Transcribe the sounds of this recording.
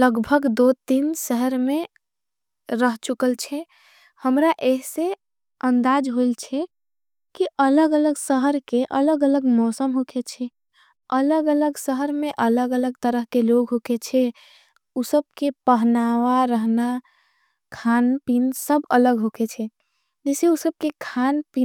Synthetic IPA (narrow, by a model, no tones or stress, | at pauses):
ləɡbʱəɡd̪ot̪insəɦəɾme | ɾəɦt͡ʃukəlt͡ʃʰɛ | həmɾaʔeɦse | ənd̪ad͡ʒɦoilt͡ʃʰɛ | kiʔələɡələɡsəɦəɾkeʔə̰ləɡələɡmɔsəmɦokʰet͡ʃʰɛ | ələɡələɡsəɦəɾmeʔələɡələɡt̪əɾəɦkeloɡɦoket͡ʃʰɛ | usəb̚kepəɦnaʋaɾəɦna | kʰanpinsəbələɡɦoket͡ʃʰɛ | d͡ʒeseusəb̚kekʰanpi